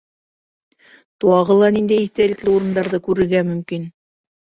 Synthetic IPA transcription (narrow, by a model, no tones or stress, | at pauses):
t̪uɑʁɤ̆lˠɑnind̪æjiθt̪ælɘ̆klɘuɾɤ̆nd̪ɑɾðɤkʉɾɘ̆ɾɡæmɵ̆mkin